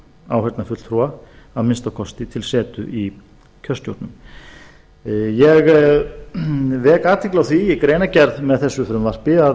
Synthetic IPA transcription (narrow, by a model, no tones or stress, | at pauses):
a̰wɦɛt̪nafʏt̪lt̪ʰɾua | aðmɪnst̪awkʰɔst̪ɪt̪ʰɪlsɛːt̪ʏ̰ʔi | cʰœst̪jowɾt̪nʏm | jɛɣ | vɛːkaːt̪ʰɪklawθijɛkɾeːjnacɛɾðmɛðθɛsːʏfɾʏmvar̥pɪa